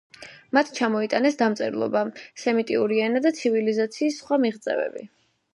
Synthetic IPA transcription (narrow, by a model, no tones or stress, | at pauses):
mat̪ʰt͡ʃʰamɔit̪ʼanɛsd̪amt̪sʼɛɾlˠɔ̰basɛmit̪ʼiuɾiɛnad̪at̪sʰivilizat̪sʰiːsːχwamiʁt̪sʼɛ̰vɛ̰bḭ